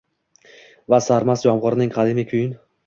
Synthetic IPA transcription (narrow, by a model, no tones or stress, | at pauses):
vasaɾmasd͡ʒɒmʁʊɾnɪŋqʰɑd̪ɪmɪkʲʰʊjɪn